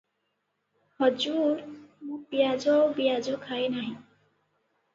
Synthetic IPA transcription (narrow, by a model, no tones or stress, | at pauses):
hɔd͡ʒuɾmũbijad͡ʒɔwbiad͡ʒɔkʰajnaɦĩ